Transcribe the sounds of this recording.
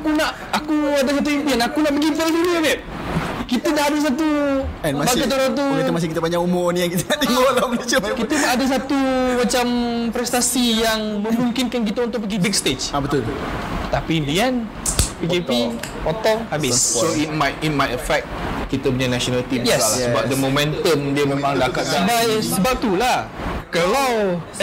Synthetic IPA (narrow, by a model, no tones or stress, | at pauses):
akunaʔ | akuadas̬at̪̬uimpianakunaʔpəɡit̪elfiniabɛʔ | kit̪ənaʔadas̬at̪̬uɛ̃nmabaɡat̪oɾat̪̬ukaəmas̬ɪkit̪əpaɲaumoonijaŋkit̪əkanimolamt͡ʃamkit̪ənaʔadas̬at̪umat͡ʃampɾɛst̪asijaŋməmuŋkɪnkank̬it̪aunt̪ʊk̚pəɡibik̚st̪et͡ʃabət̪ʊlt̪apindiɛn | pikepipɔt̪ɔhabɪsɔsoit̚majit̚majəfɛk̪̚kit̪apuɲanasɔnalt̪imjɛsalsəbap̚dəmomɛ̃nt̪əndiəmemaŋdakat̪̚dabajsəbap̚t̪ulahkəlaw